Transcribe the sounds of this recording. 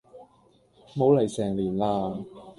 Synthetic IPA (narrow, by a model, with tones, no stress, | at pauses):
mo˨˥wlɐ˨˩jsɛː˨˩ŋliː˨˩nlaː˧